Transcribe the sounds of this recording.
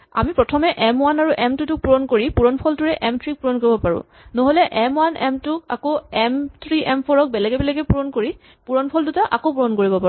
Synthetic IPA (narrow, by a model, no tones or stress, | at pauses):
a̰mipɹɔtʰɔmɛʔɛmwanaɹuʔɛmtutʊk̚puɹɔnkoɹipuɹɔnpʰɔltuɹɛʔɛmtʰɹik̚puɹɔnkoɹibɔpaɹʊ̰̃ | noɦolɛʔɛmwanɛ̰mtʊka̰koɛmtʰɹiʔɛmpʰɔɹɔk̚bɛlɛɡɛbɛlɛɡɛpuɹɔnkoɹi | puɹɔnpʰɔldutaʔakopuɹɔnkoɹibɔpa